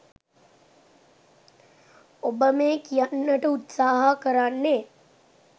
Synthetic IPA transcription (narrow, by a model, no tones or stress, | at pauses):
obəmeːkijanːəʈəut̪saːɦakəɾanːeː